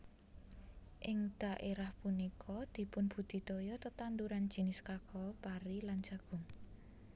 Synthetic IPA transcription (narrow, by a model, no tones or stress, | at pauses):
ʔɪŋd̪̥a̤ʔeɾahpunikʰɔd̪̥i̤pʊnb̥ṳd̪̥i̤t̪ojɔt̪ət̪and̪uɾand̥d͡ʒ̥i̤nɪskakʰɔpaɾiland̥d͡ʒ̥a̤ɡ̥ʊ̤ŋ